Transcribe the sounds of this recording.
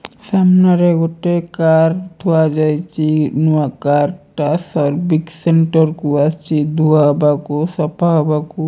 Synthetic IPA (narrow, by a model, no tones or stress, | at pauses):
samnaɾeɡoʈekaɾt̪ʰuad͡ʒajt͡ʃʰinuakaɾʈasɔɾbikseɳʈɔɾkuast͡ʃʰid̪uaɦbakosɔpʰaɦɔbaku